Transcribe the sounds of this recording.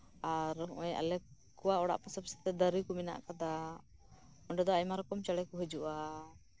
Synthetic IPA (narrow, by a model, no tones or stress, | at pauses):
aɾʔɔja̰lɛ | kɔwaɔɽa̰ʔpasəbsɛ̥t̪ɛd̪əɾikumɛna̰ʔkad̪a | ɔɳɖɔd̪ɔajmaɾɔkɔmt͡ʃaɽɛkuɦəd͡ʒuʔa